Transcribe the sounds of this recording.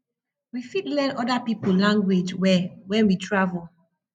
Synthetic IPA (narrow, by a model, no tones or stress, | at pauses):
wifitlɛ̃nɔdapipollãŋɡwed͡ʒwɛwɛ̃nwitʰɹavul